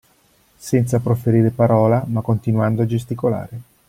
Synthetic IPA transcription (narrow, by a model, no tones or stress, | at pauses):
sɛnt̪sapɾofeɾiːɾepaɾɔːlamakːont̪inwand̪oad͡ʒest̪ikola̰ːɾe